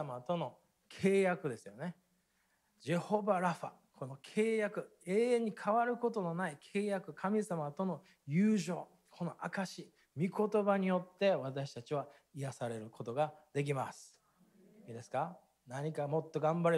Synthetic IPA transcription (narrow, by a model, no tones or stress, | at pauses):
amat̪o̞no̞ | kʰe̞ːjakɯ̟d̪e̞sɨjo̞ne̞ | d͡ʑiho̞baɾaɸa̰ | kʰo̞no̞kʰe̞ːjakɯ̟ | e̞ːẽɲ̟ːikʰaβaɾɯ̟ko̞t̪o̞no̞naikʰe̞ːjakɯ̟kʰamʲisamat̪o̞no̞ | jɯːʑo̞ː | kʰo̞no̞ʔakaɕiː | mʲiko̞t̪o̞baɲ̟ijo̞t̪ːe̞βat̪aɕi̥t̪at͡ɕiβ̞a | ijasaɾe̞ɾɯ̟kʰo̞t̪o̞ɡad̪e̞k̬ʲima̰sɨ̥ | iːd̪e̞sɨ̥ka | naɲ̟ikamo̞t̪ːo̞ɡãmbaɾe